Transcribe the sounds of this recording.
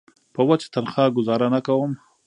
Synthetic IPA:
pəwat͡ʃḁt̪anxɑɡʊzɑɾanakawəm

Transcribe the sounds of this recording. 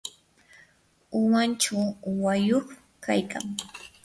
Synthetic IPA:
ʊwant͡ʃawajoχ | kajka̰ŋ

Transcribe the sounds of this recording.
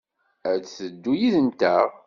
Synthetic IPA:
ædθəd̪ːujiðənt̪æʁ

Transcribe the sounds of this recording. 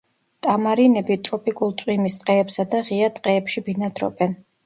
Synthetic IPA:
t̪ʼamaɾinɛbit̪ʼɾɔpʼikʼulˠt̪sʼwimist̪ʼqʼɛːpsad̪aʁiat̪ʼqʼɛːpʃibinad̪ɾɔ̰bɛn

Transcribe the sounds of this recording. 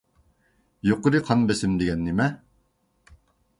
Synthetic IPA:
joqʊɾɨqʰɑnbesɪmd̪eɡʲɛnːɪmɛ

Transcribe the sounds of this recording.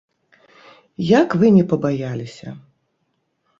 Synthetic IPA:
jakvɨnʲɛpɐbajalʲisʲɐ̰

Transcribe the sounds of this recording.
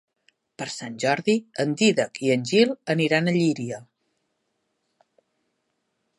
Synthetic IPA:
pəɾsanʲʒɔɾðiənd̪iðəkiənʲʒilˠəniɾanəʎiɾiə

